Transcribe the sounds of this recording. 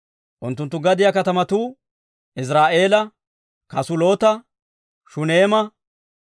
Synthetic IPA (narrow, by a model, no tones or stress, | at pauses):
ʔʊnt̪ːʊnt̪ːʊɡɐd̪ɪjɐkɐt̪ɐmɐt̪uː | ʔɪs̬ɾaːʔe̞ːlɐ | kɐsʊlo̞ːt̪ɐ | ʃʊne̞ːmɐ